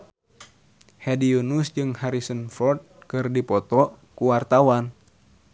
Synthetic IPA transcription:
hɛdiunusd͡ʒɨŋhaɾisənfɔrt̪̚kɨrdipɔt̪ɔ | kuwart̪awan

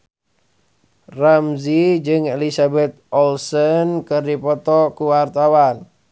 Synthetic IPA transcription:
ramzid͡ʒɨŋelisabɛt̪̚ɔlsənkɨrdipɔt̪ɔkuwart̪awan

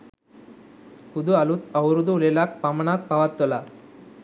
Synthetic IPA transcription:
kud̪uɐlut̪ɐwɾud̪ulelaːk̚pɐmɐnak̪̚pɐʋat̪ːɔla

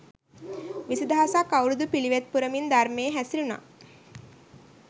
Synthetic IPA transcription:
ʋisid̪aɦasakːawɾud̪upiliʋet̪̚puɾəmind̪armeːɦæsiluna̰ː

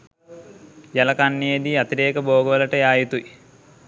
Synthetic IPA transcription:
jɐlɐkanːeed̪iɐt̪iɾeːkəboːɡəʋɐlɐʈəjaːjit̪ui

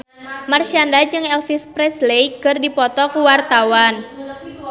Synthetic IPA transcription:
mart͡ʃandad͡ʒɨŋɛlfispɾɛslejkɨrdipɔt̪ɔkuwart̪awan

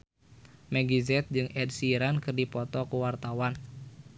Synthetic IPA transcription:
mɛɡizɛt̪̚d͡ʒɨŋɛd̚siɾankɨrdipɔt̪ɔkuwart̪awan

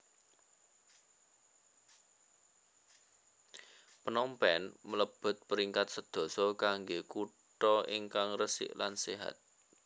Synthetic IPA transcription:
pənɔmpɛnmələb̥ʊ̤t̪̚pəɾiŋkat̪̚səd̪̥ɔ̤sɔkaŋɡeku | ʈɔiŋkaŋrəsɪ̰ʔlanseɦa̰t̪̚

